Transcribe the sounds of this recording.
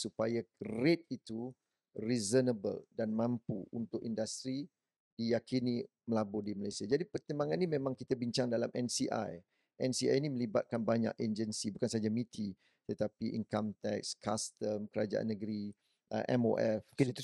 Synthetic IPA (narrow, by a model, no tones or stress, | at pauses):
supajaret̪̚it̪u | rizənəbə̰ldanmãmpṵunt̪ʊkindast̪ɾi | dijakini | məlabʊdimalajsiad͡ʒadipərt̪əmbaŋanːimemãŋkit̪abiɲt͡ʃaŋdalamʔɛnsiʔa̰j | ʔɛnsia̰jnimə̃liba̰t̪̚kanbaɲa̰keɲd͡ʒənsibukansad͡ʒamit̪ʰi | t̪ət̪apiʔḭŋkamt̪ɛk̚skast̪əmkəɾad͡ʒa̰ʔa̰nːəɡəɾi | ʔəʔɛ̰mo̰ʔɛft̪